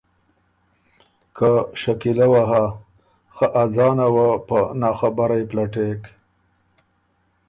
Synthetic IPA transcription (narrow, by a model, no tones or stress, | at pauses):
kʰəʃakilawaɦa | xəʔazɑnawapənɑːxabaɾajplaʈek